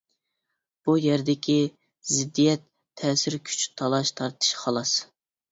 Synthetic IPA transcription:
b̥ujɛɾd̪ɪkʲʰi | zɪd̪ːijɛt̪ʰːɛːsɪɾkʲʰy̥t͡ʃt̪ʰɑlˠɑʃt̪ʰɑɾt̪ʰɨ̥ʃχɑlˠɑs

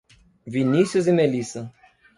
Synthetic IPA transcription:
vinisjuzimelisɐ

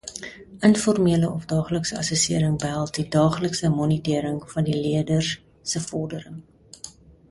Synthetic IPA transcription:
ənfɔrmiələʔɔfdɑːχləksəɐ̰səsiəɾəŋbəɦælˠtdidɑːχləksəmɔnitiəɾəŋfɐndiliədər | səfɔrdəɾəŋ

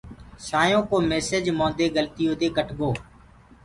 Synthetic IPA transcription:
saːjõːkoːmeːseːd͡ʒmõːd̪eːɡəlt̪ɪjõːd̪eːɡəʈɡoː

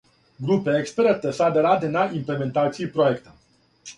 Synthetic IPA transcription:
ɡɾupeekspɾert̪əsəad̪eɾad̪enaimple̞me̞nt̪at̪sijejpɾojekt̪ə

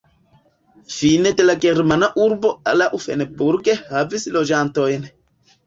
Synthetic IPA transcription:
fined̪elaɡeɾmanaʔuɾbɔa̰laʔufɛ̰nɛbuɾkehavisilod͡ʒant̪ɔjenɛ

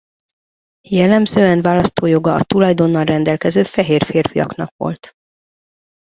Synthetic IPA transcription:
jɛlːɛmzøːɛnʋaːlɒst̪oːjo̞ɡɒɒt̪ulɒjd̪o̞nːɒlrɛnd̪ɛlkɛzøːfɛɦeːrfeːrfijɒ̰knɒ̰kʋo̞̰lt̪

